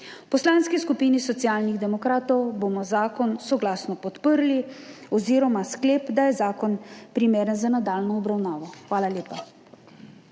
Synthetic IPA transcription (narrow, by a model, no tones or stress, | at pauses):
pɔslaːnskiskupiːnisɔtsijaːlniɣd̪ɛmɔkɾaːt̪ɔwbomɔzaːkɔnsɔɡlaːsnɔpɔt̪pəɾli | ɔziːɾɔmaskleːpd̪ajɛzaːkɔnpɾimeːɾənzanad̪aːlnɔɔbɾawnaːʋɔxʋaːlalʲjeːpa